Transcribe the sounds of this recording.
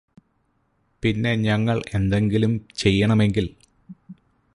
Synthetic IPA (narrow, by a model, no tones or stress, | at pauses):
pinːe̞ɲɐŋːɐɭe̞nd̪e̞ŋɡilumt͡ɕe̞jːɐɳɐme̞ŋɡil